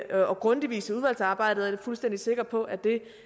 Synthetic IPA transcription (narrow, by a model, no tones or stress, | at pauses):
ɒ̽ɡ̥ʁɔ̽nd̥iʋḭːsəuð̞ˠʋæl̰sɑ̈ːb̥ɑ̈ɪ̰d̥ð̩ˠæɐ̥fulsd̥en̰d̥ise̝ɡ̥ɐpʰɒ̽ʔæd̥e̝